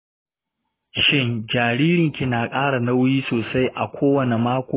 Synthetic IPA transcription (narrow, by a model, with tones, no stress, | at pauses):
ʃɪ˦ŋd͡ʒaː˨ɾiː˦ɾɪ˨ŋkʲi˨naː˨kʼaː˦ɽa˨na˦wjiː˦soː˨sa˦jʔa˨kʷʰoː˦wɐ˨ne˨maː˦kʷoː˦